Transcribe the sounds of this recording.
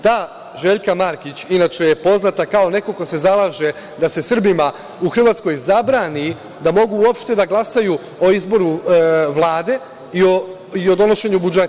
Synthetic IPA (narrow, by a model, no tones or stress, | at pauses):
t̪aː | ʒe̞ʎkamaɾkit͡ɕinaːt͡ʃe̞je̞po̞znat̪akao̞ne̞ko̞ko̞se̞zalˠaːʒe̞ | d̪ase̞sr̩bima | uxr̩ʋaːt̪sko̞jzabɾaːni | d̪amo̞ɡuuopʃt̪e̞d̪aɡlˠasaju | o̞izbo̞ɾuʋlˠaːd̪e̞ | io | io̞d̪o̞no̞ʃe̞ɲubud͡ʒet̪